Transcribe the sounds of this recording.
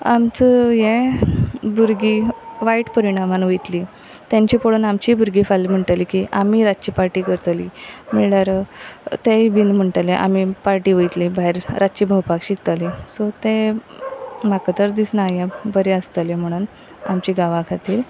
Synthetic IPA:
amt͡səjẽ | buɾɡiʋaiʈpəɾiɽ̃amanʋojt̪li | t̪jãɲt͡ɕiːpoɽuːnamt͡ɕibuɾɡifalm̤əɳʈalikiʔamiːɾat͡ɕiːpaɾʈiːkəɾt̪limiɭɽaɾt̪eibinm̤əɳʈaleʔa̰mipaɾʈiːʋəjt̪libaɦiɾɾat͡ɕiːbʱəwpakɕik̚t̪alisɔt̪ẽ | makət̪əɾd̪isnajabəɾeəst̪alem̤əɽ̃uːn | a̰mt͡ɕiɡaʋãkʰat̪iːɾ

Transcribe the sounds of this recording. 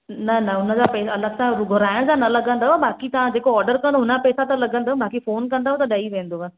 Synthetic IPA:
nɐnɐʊnə̃d͡zapɛːsɐləɡsãɾʊɡʱʊɾaːj̃ɽ̃d͡zanɐləɡə̃nd̪aɦabaːkit̪ɐʋãd͡ʑeːkoɔːɾɖəɾkɐ̃nd̪oɦʊnapɛːsat̪alɐɡə̃nd̪aːbʱaːkifoːnkɐ̃nd̪aːɦõt̪aɗaiʋẽːnd̪oʋa

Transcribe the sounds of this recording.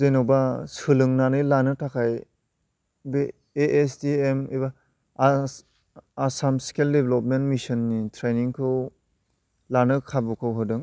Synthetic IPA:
zejnawbasɯlɯŋnanɯjlanɯtʰakʰaj | be | eʔesdiemiba | samsi̥keldebelɔp̚mentmisɯnːitʰɾejniŋkʰɯw | lanɯkʰabukʰɯwɦɯdɯŋ

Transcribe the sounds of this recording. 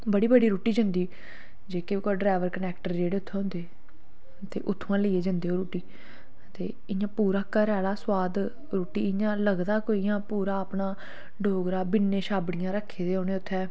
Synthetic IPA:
bəɽiːbəɽiːɾuːʈiːd͡ʒənd̪iː | d͡ʒeːkɪkɔːɖɾaːʋəɾkənɛːkʈəɾd͡ʒeːɽeːʊt̪ʰːẽːɦʊ̃nd̪eː | t̪ḛːʔʊt̪ʰːãːləiːeːd͡ʒənd̪eːɦoːɾuːʈiː | t̪ḛː | ɪjãːpuːɾaːkəɾɛːlaːswaːd̪ | ɾoːʈiːɪjãːləɡd̪aːkoːijãːpuːɾaːəpɳaː | ɖoːɡɾaːbɪnːẽːʃaːbɽɪjãːɾəkʰːeːd̪eːɦõːnẽːʊt̪ʰːɛː

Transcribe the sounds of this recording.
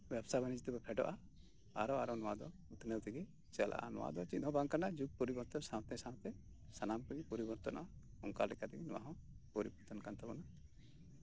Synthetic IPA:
bjɛbsabanid͡ʒit̪ɛbɛpʰɛɖɔ̰ʔa | a̰ɾɔaɾɔnɔwad̪ɔut̪nəwt̪ʰiɡi | t͡ʃɛlʔa̰ʔa̰nɔ̰wa̰d̪ɔt͡ʃit̪ɔ̃baŋkanad͡ʒuk̚pɔɾibɔɾt̪ɔnsãwt̪ɛsãw̃t̪ɛ | sanamkɔɾipɔɾibɔɾt̪ɔnʔɔ̰ʔa | ɔŋka̰ɾlɛkat̪ɛɡinɔwa̰ɦɔ̃pɔɾibɔɾt̪ɔnkant̪abɔna

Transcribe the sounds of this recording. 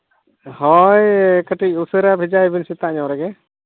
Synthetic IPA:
hɔjkəʈic̚usəɾabʱid͡ʒajbinsit̪aʔɲawɾɛɡɛ

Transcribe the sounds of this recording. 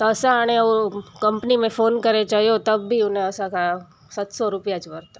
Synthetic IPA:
t̪ɐsãaːɽ̃eoːɾkɐ̃mpnimẽfoːnkɐɾet͡ʃaɦiot̪ɐbːiʊnɦẽɐsãka | sɐt̪sɔɾʊpjat͡ʃbɐɾt̪a

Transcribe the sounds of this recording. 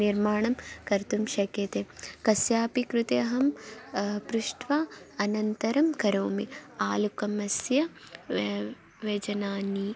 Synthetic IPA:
iɾmaːɳɐmkɐɾt̪umʃɐkjɐt̪ekɐsjaːpikɾut̪eɐɦɐm | pɾuʃʈʋaːɐnɐnt̪ɐɾɐmkɐɾoːmiaːlukɐmɐsjɐ | ʋed͡ʒɐnaːni

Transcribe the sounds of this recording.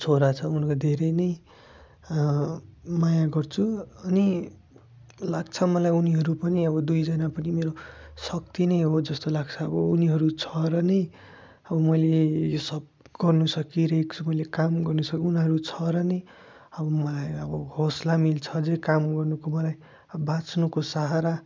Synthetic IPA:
t͡sʰoɾat͡sʰʌunkod̪ʱeɾʌjnʌj | majaɡʌrt͡sʰuʌni | laɡ̚t͡sʰʌmʌlajuniɦʌɾupʌniʌβʌd̪ujd͡zʌnapʌnimeɾosʌk̚t̪inʌjɦod͡zʌst̪olaɡt͡sʰʌʌbʌuniɦʌɾut͡sʰʌɾʌnʌj | ʌbʌmʌjlejosʌb̚ | ɡ̥ʌrnusʌkiɾʌeekt͡sʰumʌjlekamɡʌrnusʌkiunɦʌɾut͡sʰʌɾʌnʌj | ʌbʌmʌlajʌbʌhoslamilt͡sʰʌd͡zʌjkamɡʌrnukomʌlaj | bãt͡snukosaɦaɾa

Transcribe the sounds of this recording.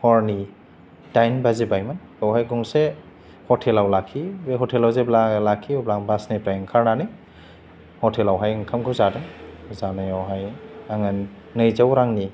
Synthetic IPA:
hɔɾni | dajnbazibajman | awɦajɡuŋse | hɔtʰelawlakʰːibeɦɔtʰelawzeblalakʰːiublaŋbasnipɾajŋkʰaɾnanɯj | hɔtʰelawɦajŋkʰamkʰawzadɯŋzanajawɦajaŋɯnː | ɯjzawɾaŋni

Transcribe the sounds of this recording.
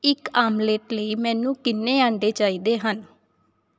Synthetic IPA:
ɪkaːmleːʈləiːmɛ̃ːnũːkɪnːeːaːɳɖeːt͡ʃaːiːd̪eːɦən

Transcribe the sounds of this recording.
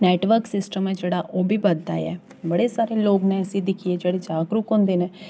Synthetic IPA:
nɛːʈʋəɾksɪsʈəmɛ̃ːd͡ʒeːɽaːʔoːbʱiːbəd̪ːa̰ːɛ̰ː | bəɽeːsaːɾeːloːɡnẽːəsĩd̪ɪkʰieːd͡ʒeːɽeːd͡ʒaːɡɾukɦõːnd̪eːneː

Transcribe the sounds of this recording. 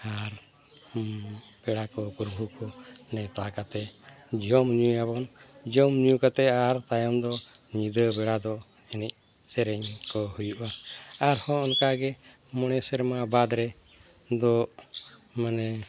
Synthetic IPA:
aɾ | bɛɽakɔpuɾbʱukɔnɛt̪akat̪ɛ | d͡ʒɔmɲuabɔnd͡ʒɔmɲujukat̪ɛaɾt̪ajɔmd̪ɔ | ɲid̪əbɛɽad̪ɔɛnɛc̚ | sɛɾɛɲkɔhujuʔaaɾhɔ̃ɔnkaɡɛ | mɔnɛsɛɾmabad̪ɾɛ | d̪ɔ | manɛ

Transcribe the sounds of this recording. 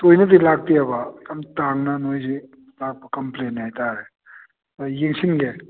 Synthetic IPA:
tojnɐd̪ilak̚tiabakɐmtaŋnɐnojzi | lak̚bɐkɐmplenːajtaɾe | jiŋsinɡe

